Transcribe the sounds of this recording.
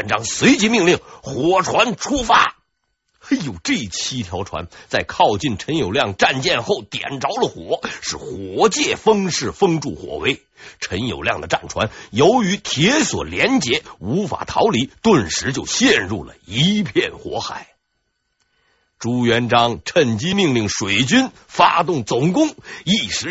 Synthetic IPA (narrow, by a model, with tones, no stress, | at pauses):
nʈ͡ʂɑ˥ŋswe˧˥ɪt͡ɕi˧˥mi˥˧ŋli˥˩ŋxwɔ˨˩ʈ͡ʂʰwa˧˥nʈ͡ʂʰu˥fa˥ | jo˨˩ʊʈ͡ʂɤ˥˩t͡ɕʰi˥t̪ʰjɑ˧˥ʊʈ͡ʂʰwa̰˧˥nt͡sa˥˧ɪkʰɑ˥˧ʊt͡ɕi˥˩nʈ͡ʂʰə˧˥njo˨˩ʊljɑ˥˩ŋʈ͡ʂa˥˧nt͡ɕjɛ˥˧nxo˥˩ʊt̪jɛ̰˨˩nʈ͡ʂɑ˧˥ʊlə˨xwɔ˨˩˥ʂɻ̩˥˩xwɔ˨˧˥t͡ɕjɛ˥˩fɤ˥ŋʂɻ̩˥˩fɤ˥ŋʈ͡ʂṵ˥˩xwɔ̰˨˩we˥ɪ | ʈ͡ʂʰə˧˥njo˨˩ʊljɑ˥˩ŋd̪ə˩ʈ͡ʂa̰˥˩nʈ͡ʂʰwa̰˧˥njo˧˥ʊy˧˥t̪ʰjɛ˧˥swɔ̰˨˩ljɛ˧˥nt͡ɕjɛ˧˥u˧˥fa̰˨˩t̪ʰɑ̰˧˥ʊli˧˥t̪wə˥˩nʂɻ̩˧˥t͡ɕjo˥˧ʊɕjɛ˥˧nɻṵ˥˩lə̰˩i˧˥pʰjɛ˥˩nxwɔ̰˧˥xa˨˩˦ɪ | ʈ͡ʂu˧˥ɥɛ˧˥nʈ͡ʂɑ˥ŋʈ͡ʂʰə˥˩nt͡ɕi˥mi˥˧ŋli˥˩ŋʂwe˨˩ɪt͡ɕy˥n | fa˥t̪ʊ˥˩ŋt͡sʊ˨˩ŋkʊ˥ŋi˥˩ʂɻ̩˧˥